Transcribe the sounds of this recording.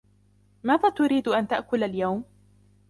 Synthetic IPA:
maːðaːt̪ʊɾiːd̪ʔant̪aʔkʊlaljawm

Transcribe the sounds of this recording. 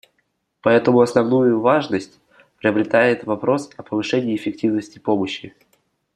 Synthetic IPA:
pɐɛt̪əmʊɐsnɐvnujʊvaʐnəsʲtʲ | pɾʲɪəbɾʲɪt̪ajɪt̪vɐpɾo̞sɐpəvɨʂɛnʲɪːfʲɪk̚tʲivnəsʲtʲɪpo̞məɕːɪ

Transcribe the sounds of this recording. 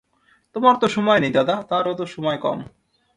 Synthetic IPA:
t̪omaɾt̪oʃɔmɔjnejd̪ad̪at̪aɾot̪oʃɔmɔekɔ̰m

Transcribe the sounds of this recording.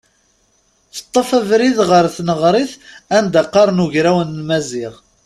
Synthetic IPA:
θə̥t̪ˤːɑfævɾiðʁəɾθnəʁɾˤiθænd̪æqːɑɾˤnuʝɾæwənlmæzɪʁ

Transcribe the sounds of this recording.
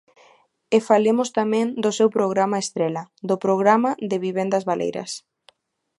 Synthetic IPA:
efalemʊst̪amẽŋd̪osewpɾoɣɾamaest̪ɾelad̪ʊpɾoɣ̞ɾamaðɪβiβend̪ɐzβalʔḛjɾɐ̰s

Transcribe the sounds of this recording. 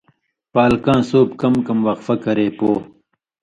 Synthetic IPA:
paːlkãːsoːpkɐmkɐmwɐqfɐkɐɾeːpoː

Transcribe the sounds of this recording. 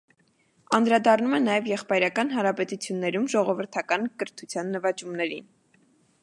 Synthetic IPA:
ɑnd̪ɾɑd̪ɑrnumɛnɑjɛvjɛχpɑjɾɑkɑnɦɑɾɑpɛt̪ut͡sʰjunːɛɾumʒɔʁɔvəɾt̪ʰɑkɑnkəɾt̪ʰut͡sʰjɑnːəvɑt͡ʃumnɛɾin

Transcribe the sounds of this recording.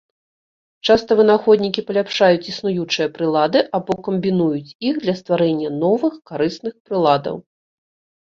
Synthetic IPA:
t͡ʂast̪ɐvɨnaxɔd̪ʲnʲikʲipɐlʲapʂajut͡sʲisnujut͡ʂɨjɐpɾɨlˠad̪ɨʔabɔkɐmʲbʲinujut͡sʲixd̪lʲɐst̪vaɾɛnʲːɐnɔvɨxkaɾɨsnɨxpɾɨlˠad̪ɐ̰w

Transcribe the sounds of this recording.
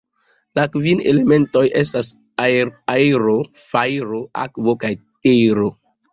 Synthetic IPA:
lakvinele̞me̞nto̞je̞stas | ajɾo | fajɾoʔa̰kvokajtejɾo

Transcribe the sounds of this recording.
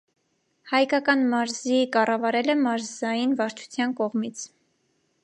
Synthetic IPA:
hɑjkɑkɑnmɑɾzikɑrɑvɑɾɛlɛmɑɾzzɑjinvɑɾt͡ʃʰu̥t͡sʰjɑnkɔʁmit͡sʰ

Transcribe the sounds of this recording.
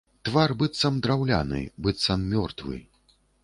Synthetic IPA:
t̪varbɨt̪sɐmd̪ɾawlʲa̰nɨ̰bɨt̪samːʲɔrt̪vɨ̰

